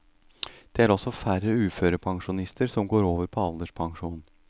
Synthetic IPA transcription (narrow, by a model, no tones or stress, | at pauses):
d̪̥ɛːæɾɔsɔfæɾəʉːføːɾəpʰɑŋʂʊnɪst̪əɾsɔmɡoːɾoːʋəɾpʰɔɑld̪əʂpʰɑŋʂuːn